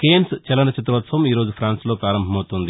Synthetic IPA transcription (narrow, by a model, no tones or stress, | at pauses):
keːnst͡ʃɛlɐnɐt͡ʃit̪ɾɐʋɐt̪sɐʋɐmiːɾo̞ːd͡ʒupʰɾaːnsloːpɾaːɾɐmbʱɐmɐwt̪und̪i